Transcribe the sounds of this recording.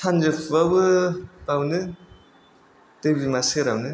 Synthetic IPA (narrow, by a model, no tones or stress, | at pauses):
tʰand͡ʒɯpʰbabɯpawnɯ | tɯbimaseɾawnɯ